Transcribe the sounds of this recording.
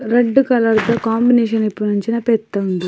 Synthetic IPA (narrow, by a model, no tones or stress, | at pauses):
ɾɐɖːukɐlɐɾd̪ɐkaːmbineːʃɐnipːunɐɲt͡ʃinɐpɛt̪ːɐund̪i